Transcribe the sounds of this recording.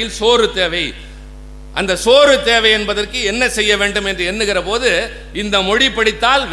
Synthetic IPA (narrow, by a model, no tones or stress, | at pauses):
ɪlsoːɾɯt̪eːʋɐɪ | ʔɐnd̪ɐsoːɾɯt̪eːʋɐɪɛnbɐðɐrkɯɛnːɐsɛjːɐʋeːɳɖɯmɛndrɯɛnːɯɣɪrɐpoːðɯ | ɪnd̪ɐmɔɽɪpːɐɽɪt̪ːaːlʋ